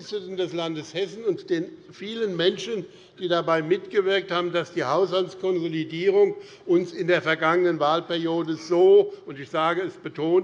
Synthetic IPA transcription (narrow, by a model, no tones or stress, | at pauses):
nstətən̩dɛslandəshɛsn̩ʊntd̥eːnfiːlənmɛnʃən | d̥iːdabaɪmɪtɡ̥əvɪɐk̚thaːbm̩d̥asd̥iːhaʊshaltskʰɔnzolidiːʁ̞ʊŋ | ʔʊnsɪndeːɐfɛɐɡaŋənənvaːlpɛɐjoːdəzoːʊntɪçz̥aːɡəɛsb̥ətʰoːn